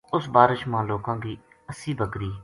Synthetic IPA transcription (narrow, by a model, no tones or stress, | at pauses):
ʊsbaːɾɪʃmãːloːkãːɡiː | əsiːbəkɾiː